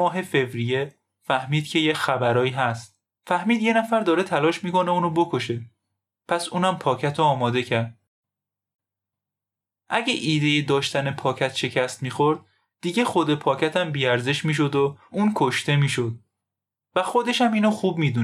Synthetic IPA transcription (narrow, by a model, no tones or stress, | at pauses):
ɒːɦe̞fe̞vɾije̞ | fæhmiːd̪cʰe̞jecxæbæɾɒːiːɦæst̪ | fæhmiːd̪je̞næfæɾd̪ɒːɾe̞t̪ʰælɒːʃmiːko̞ne̞uːnobo̞kʰo̞ʃe̞ | pʰæsuːnæmpʰɒːcʰæt̪ʰoɒːmɒːd̪e̞cʰæɾd̪̥ | ʔæɟeʔiːd̪e̞jed̪ɒːʃt̪æne̞pʰɒːcʰæt̪ʃe̞cʰæst̪miːxoɾd̪̥ | d̪̥iːɟe̞xod̪e̞pʰɒːcʰæt̪ʰæmbiːæɾzeʃmiːʃ̬o̞d̪ouːnkʰoʃt̪e̞miːʃod̪̚ | væxo̞d̪e̞ʃæmiːnoxuːbmiːd̪u